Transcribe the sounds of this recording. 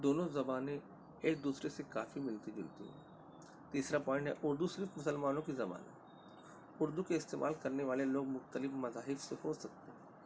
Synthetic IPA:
d̪oːnõzɐbaːnẽ | eːk̚d̪uːsɾesekaːfimɪlt̪id͡ʒʊ̰lt̪ḭɦɛ̰ː | t̪iːsɾapɔ̃ːɪ̃ɳʈɦɛ̰ʔʊɾd̪usɪɾfmʊsəlmaːnõkizɐba̰ːnət̪ | ʊɾd̪ukeɪst̪ḛːmʔa̰ːlkɐɾneʋaːleloːɡmʊxt̪əlɪfmɐzaːɦɪfsehoːsɐk̚t̪eɦɛ̃ː

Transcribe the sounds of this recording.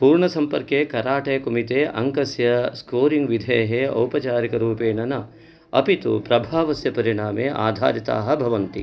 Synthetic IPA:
puːɾɳɐsɐmpɐɾkeːkɐɾaːʈɐjɐkumit̪eːʔɐ̰ŋkɐsjɐskoːɾiŋɡʋid̪ʱeːɦeɐ̰wpɐt͡ʃaːɾikɐɾuːpeːnɐnɐ | ɐ̰pit̪ṵpɾɐbʱaːʋɐsjɐpɐɾiɳaːmeːʔa̰ːd̪ʱa̰ːɾit̪a̰ːɦɐ̆bʱɐʋɐnt̪i

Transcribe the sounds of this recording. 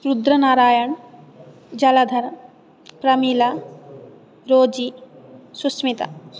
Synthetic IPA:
ɾud̪ɾɐnaːɾaːjɐɳ | d͡ʒɐlɐd̪ʱɐɾ | pɾɐmila | ɾoːd͡ʒisusmit̪ɐ̰

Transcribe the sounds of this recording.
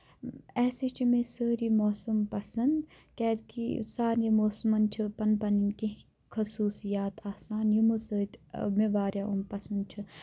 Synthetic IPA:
ɛːsit͡ʃʰimesəːɾiːmoːsumpɐsɐnd̪ | kɛːkḭsaːɾimoːsmɐnt͡ʃʰipɐnpɐninki | kʰɐsuːsijaːt̪ʰaːsaːnjumɨsəːt̪ʲmeʋaːɾjaːʔumpɐsɐnd̪̚t͡ʃʰɨ

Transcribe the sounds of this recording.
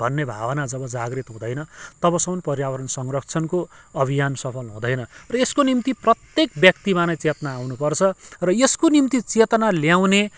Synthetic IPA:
bʱʌnːebʱa̰bʌnad͡zʌbʌd͡zaɡrit̪ɦũd̪ʌjnʌt̪ʌbʌsʌmʌnpʌrjawʌɾʌnsʌŋrʌkt͡sʰʌnkoʌbʱijansʌpʰʌlɦũd̪ʌjnʌrʌeskonimt̪iprʌt̪jek̚bjʌk̚t̪imanʌjt͡set̪naːwnupʌrt͡sʰʌrʌeskonimt̪it͡set̪ʌnaljaw̃ne

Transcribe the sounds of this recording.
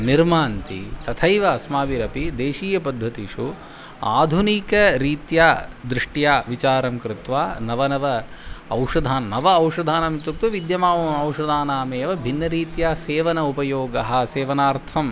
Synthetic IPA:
niɾmaːnt̪ḭt̪ɐt̪ʰɐjʋɐɐsmaːʋiɾɐpid̪eːʃiːjɐpɐd̪ʱːɐt̪iʂu | a̰ːd̪ʱunikɐɾiːt̪jaːd̪ɾɪʂʈjaːʋit͡ʃaːɾɐmkɾɪt̪ʋaːnɐʋɐnɐʋɐ | ɐwʂɐd̪ʱaːnɐnɐʋɐːwʂɐd̪ʱaːnaːmit̪uk̚t̪ɐʋid̪jɐmaːɐwʂɐd̪ʱaːnaːmeːʋɐbʱinːɐɾiːt̪jaːseːʋɐnɐupɐjoːɡɐɦɐ̆seːʋɐnaːɾt̪ʰɐm

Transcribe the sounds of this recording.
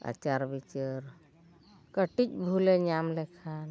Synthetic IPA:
a̰t͡ʃaɾbit͡ʃəɾ | kəʈit͡ʃbʱuleɲamlekʰal

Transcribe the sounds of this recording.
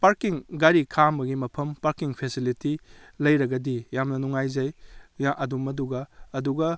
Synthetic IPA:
paɾkiŋɡaɾikʰambɐɡimɐpʰɐmpaɾkiŋpʰesiliti | lɐjɾɐɡɐdijamnɐnuŋajzɐjjaʔɐdumːɐduɡɐɐduɡɐ

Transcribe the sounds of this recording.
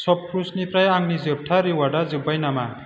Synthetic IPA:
sɔp̚pʰɾusnipɾajaŋnid͡zɯb̚ʈʰaɾiwaɽad͡zɯbʌjnama

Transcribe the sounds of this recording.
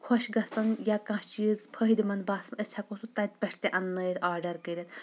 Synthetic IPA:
kʰɔʃɡɐsɐnjakãt͡ʃizpʰəɦid̪mɐnbaːsɐnəsʲhɐkoːsut̪ɐt̪̚ʲpʲɛʂʰt̪eʔɐnːɐjet̪ʰaːɾɖɐɾkəɾʲɐt̪

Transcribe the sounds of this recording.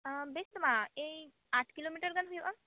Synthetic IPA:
best̪umae | aʈʰkilomiʈəɾɡalɦujeʔa

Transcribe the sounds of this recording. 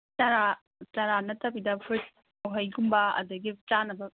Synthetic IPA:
t͡ʃɐɾa | tɐɾanɐtʰɐbidɐpʰt | ɐwɦɐjɡumbɐɐ̰dɐɡit͡ʃanɐbɐ

